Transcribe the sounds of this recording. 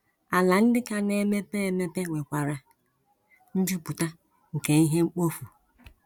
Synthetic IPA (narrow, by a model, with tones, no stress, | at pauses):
a˨la˨n̩˦dɪ˦ka˦ne˦me˦pe˦e˦me˦pe˦ŋʷe˨kʷa˨ɾa˦ | n̩˦d͡ʒi˦˨pu˨ta˦ | ŋ̩˨ke˨i˦ɦe˦ŋ͡m̩˦k͡po˦fu˨